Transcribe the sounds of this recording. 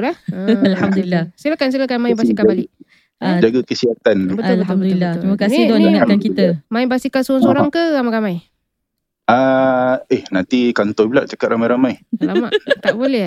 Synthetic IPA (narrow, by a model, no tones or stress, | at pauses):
lahəlhamd̪uilːasəlakans̬ilakanmainbasikabaliʔ | d͡ʒaɡakəsiat̪anbəʊlb̪ʊlbəlːɾiməkasnɪd̪ɔnakankit̪əmainbasikasoaŋsoɾaŋkəɾamajɾamaj | a | ehnant̪ikant̪ɔhbəlaʔ̚t͡ʃakat̪̚ramajɾamajslama̰ʔt̪aʔbolɛh